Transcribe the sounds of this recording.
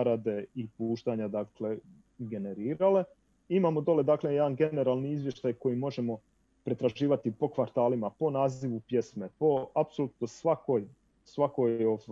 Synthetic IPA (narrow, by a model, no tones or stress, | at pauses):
ɾad̪e̞ipuːʃt̪aɲad̪aːkle̞ | ɡe̞ne̞ɾiːɾale̞ | imaːmo̞d̪o̞le̞d̪aːkle̞jd̪anɡe̞ne̞ɾaːlˠniizʋje̞ʃt̪ajko̞jimo̞ʒe̞mo̞ | pɾe̞t̪ɾaʒiːʋat̪ipo̞kʋaɾt̪aːlimapo̞naːziʋupje̞smepo̞apsolut̪nosʋakoj | sʋako̞jo